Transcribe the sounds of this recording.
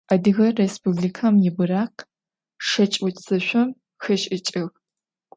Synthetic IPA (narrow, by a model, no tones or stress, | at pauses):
adɨɣɐrːespʰublikʰamjɪbɨɾaːqʰ | ʂɐt͡ʃʼwʊtʰʼz̥ɐʃʷɐm | xɐʃʼɪt͡ʃʼɪɣ